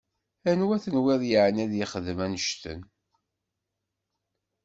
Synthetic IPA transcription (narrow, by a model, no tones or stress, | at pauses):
ænwæθənwɪðjəʕənæðjɪχəðmænʃt̪ə̰n